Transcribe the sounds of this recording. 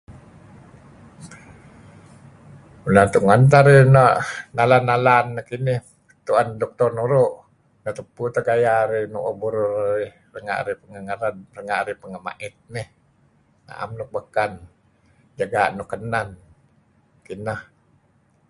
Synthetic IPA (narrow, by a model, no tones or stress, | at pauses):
ulant̪uʔŋənt̪aɾɪnəʔnalanːalanːəhkinɪh | t̪uʔandɔk̚t̪ɔrnuɾʊʔ | nəʔt̪əput̪aɡajaɾɪnṵʔobuɾʊraɪh | rəŋa̰ʔɾɪhpəŋəŋəɾənrəŋaʔɾɪhpəŋəma̰ʔɪt̪̚nɪh | na̰ʔa̰mnʊk̚bakan | d͡ʒaɡaʔnuʔkːənan | kinəh